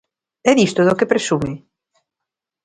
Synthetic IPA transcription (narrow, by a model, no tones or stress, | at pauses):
ɛðist̪oðokepɾesume